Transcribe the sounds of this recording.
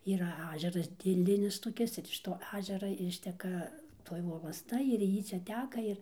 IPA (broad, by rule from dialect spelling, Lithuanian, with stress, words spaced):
ˈiːrɐ ˈɑːʒʲɛrɐs dʲeːˈlʲɪnʲɪs toːˈkʲɪs ɪr ɪʃ toː ˈɑːʒʲɛrɐ ˈɪʃʲtʲɛkɐ ˈtoːj ʋoːlˠɐsˈtɐ ɪr ˈjiː ˈt͡ʃʲɛ ˈtʲæːkɐ ˈɪr